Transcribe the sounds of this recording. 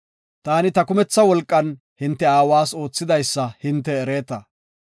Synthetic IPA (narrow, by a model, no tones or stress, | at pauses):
t̪aːnɪt̪ɐkʊmɛt͡sːɐwɔlkʼːɐn | hɪnt̪ːɛaːwaːso̞ːt͡sːɪd̪ɐjsːɐhɪnt̪ːɛːɾe̞ːt̪ɐ